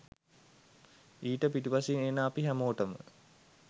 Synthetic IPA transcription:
iːʈəpiʈipaseineːnaːpiɦæmoːʈəmə̰

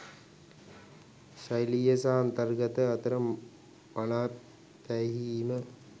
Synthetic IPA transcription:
ɕɐjlijɐsaːnt̪ɐrɡɐt̪ɐɐt̪ɐɾɐm | mɐnaː | tɐɦiːmə

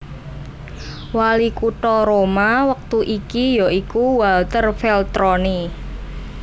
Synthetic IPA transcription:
walikuʈɔɾomawək̚t̪uʔikijɔikuwalt̪ərfɛlt̪ɾɔni

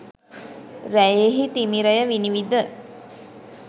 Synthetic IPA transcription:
ɾæjeɦit̪imiɾəjəʋiniʋid̪ə

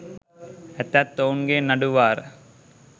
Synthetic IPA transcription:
æt̪æt̪ːounɡenɐɖuʋaːɾə

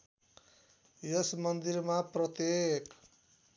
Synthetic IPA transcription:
jʌsmʌnd̪iɾmaprʌt̪jek

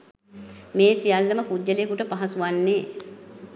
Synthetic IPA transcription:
meːsijalːəməpudːəlekuʈəpaɦasuʋanːeː

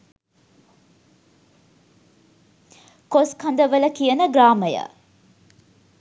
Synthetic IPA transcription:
koskɐnd̪əʋələkijənəɡraːməjə̰

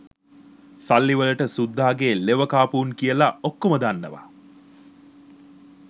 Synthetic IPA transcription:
salːiʋələʈəsud̪ːaːɡeːleʋəkaːpuːŋkijəlaokːoməd̪anːə̰ʋa̰

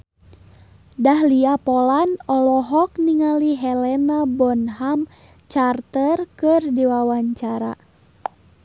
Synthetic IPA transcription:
dahliapɔlanɔlɔɦɔk̚niŋaliɦɛlɛnabɔnɦam | t͡ʃart̪ərkɨrdiwawaɲt͡ʃaɾa̰

